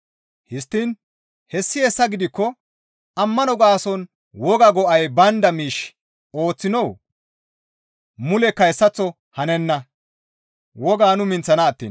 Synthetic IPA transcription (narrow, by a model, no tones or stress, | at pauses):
hɪst̪ːin | hɛsːɪjɛsːɐɡɪd̪ɪkːɔ | ɐmːɐnɔɡaːsɔn | wɔɡɐɡɔʔɐjbɐnd̪ɐmiːʃ | o̞ːt͡sːɪnɔw | mʊlɛkːɐjsːɐt͡sːɔ | hɐnɛnːɐ | wɔɡaːnʊmɪnt͡sːɐnɐːt̪ːḭːn